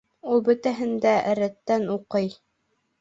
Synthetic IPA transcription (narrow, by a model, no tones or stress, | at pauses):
ulˠbɵ̆t̪æɦɘ̆nd̪æʔɘɾæt̪ːænuqɤj